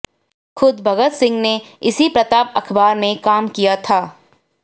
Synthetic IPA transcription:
xʊd̪bʱɐɡət̪sɪ̃ŋɡneɪsipɾɐt̪aːpɐkʰbaːɾmẽkaːmkijat̪ʰaː

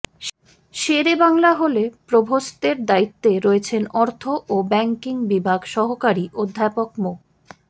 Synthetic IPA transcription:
ʃeɾebaŋlaɦolepɾobʱost̪eɾd̪ait̪ːeɾoet͡ɕʰenɔɾt̪ʰoʔobɛŋkiŋbibʱaɡʃɔɦokaɾiʔod̪ʱːapokmo

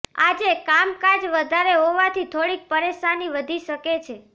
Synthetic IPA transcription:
ad͡ʒekamkad͡ʒʋəd̪ʱaɾeɦoʋat̪ʰit̪ʰoɽik̚pəɾeʃaniʋəd̪ʱiʃəket͡ʃʰe

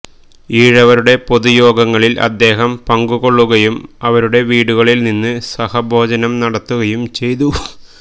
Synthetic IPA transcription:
iːɻɐʋɐɾuɽe̞po̞ðujo̞ːɡɐŋːɐɭilʔɐ̰d̪ːe̞ːɦɐmpɐŋɡuɣo̞ɭːuɣɐjumɐʋɐɾuɽe̞ʋiːɽuɣɐɭilninːɨsɐhɐbʱo̞ːd͡ʑɐnɐmnɐɽɐt̪ːuɣɐjumt͡ɕe̞jt̪u

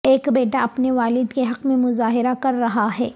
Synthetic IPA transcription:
eːkbeːʈaɐpneʋaːlɪd̪keɦɐqmẽmʊzaːɦɪɾakɐɾːɐɦaɦɛː

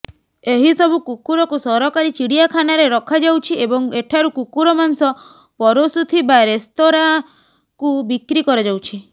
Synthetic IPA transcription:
eɦisɔbʱukukuɾɔkusɔɾɔkaɾit͡ʃiɽijakʰanaɾeɾɔkʰad͡ʒawt͡ʃʰiebɔŋeʈʰaɾukukuɾɔmansɔ | pɔɾosut̪ʰibaɾest̪oɾa | kubikɾikɔɾɔd͡ʒawt͡ʃʰi

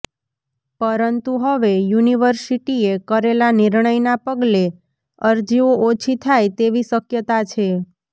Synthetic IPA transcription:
pəɾənt̪uɦəʋejuniʋəɾsiʈiekəɾelaniɾɳəjnapəɡle | əɾd͡ʒioʔot͡ʃʰit̪ʰajt̪eʋisəkjət̪at͡ʃʰe

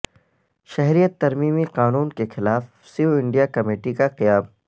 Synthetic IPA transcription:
ʃɐɦɾijət̪ːɐɾmiːmiqaːnuːnkexɪlaːf | sioɪ̃ɳɖijakɐmeːʈikaqɪjaːb

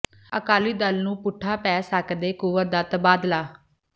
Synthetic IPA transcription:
əkaːliːd̪əlnũːpʊʈʰːaːpɛːsəkd̪eːkuʋəɾd̪aːt̪əbaːd̪laː

